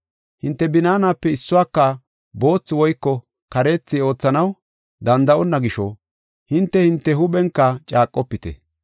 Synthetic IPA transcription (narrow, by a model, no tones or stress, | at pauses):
hɪnt̪ːɛbɪnaːnaːpːɛɪsːʊwaːkːɐ | bo̞ːt͡sːɪwɔjkːɔ | kɐɾe̞ːt͡sːɪo̞ːt͡sːɐnɐw | d̪ɐnd̪ɐʔɔnːɐɡɪʃɔ | hɪnt̪ːɛhɪnt̪ːɛɦʊɓɛŋkːɐt͡ʃʼaːkʼːɔpːɪt̪ɛ̰